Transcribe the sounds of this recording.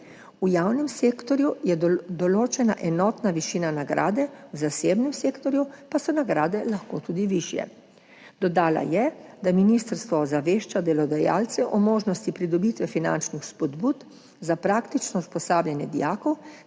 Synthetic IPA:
ujaːwnɛmseːkt̪ɔɾjujɛd̪ɔloːt͡ʃɛna̰ʔɛnɔt̪naʋiʃiːnanaɡɾʔa̰ːd̪ɛwzaseːbnɛmseːkt̪ɔɾjupasɔnaɡɾaːd̪ɛlaxko̰t̪uːd̪iʋiʃjɛ̰ | d̪̥ɔd̪aːla̰jɛd̪aminist̪əɾst̪ʋɔzaʋeːʃt͡ʃad̪ɛlɔd̪aja̰ːlt̪sɛʔɔmoːʒnɔst̪ipɾid̪ɔbiːt̪ʋɛfina̰nt͡ʃnixspɔd̪buːt̪ | zapɾaːkt̪it͡ʃnɔuspɔsaːbljanjɛd̪ijaːkɔw

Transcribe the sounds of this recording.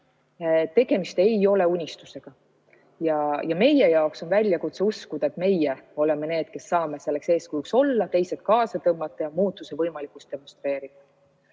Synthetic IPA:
t̪e̞ɡ̥e̞mist̪e̞jo̞le̞unʲist̪use̞ɡ̥ɑ | jɑjɑme̞jejɑokso̞nvælʲjɑkut̪seuskud̪̥ɑe̞t̪me̞jɛo̞lemene̞ːd̪̥ke̞sːɑːmese̞lːe̞kse̞ːskujukso̞lːɑt̪e̞jset̪̚kɑːsɑt̪ɤmːɑt̪ːˑɑjɑmuːt̪ːˑuse̞vɤjmɑlikust̪e̞mo̞nst̪ɾe̞ːɾid̪̥ɑ

